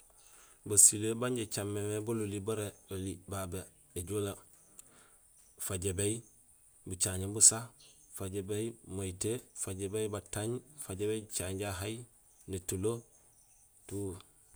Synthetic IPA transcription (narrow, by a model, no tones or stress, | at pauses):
basilebaɲɟet͡ʃamːemebolulibaɾeolibabe | eɟola | faɟebej | but͡ʃaɲembusafaɟebejmaitefaɟebejbataɲfaɟebejt͡ʃaɲɟaɦaj | netulo | tuː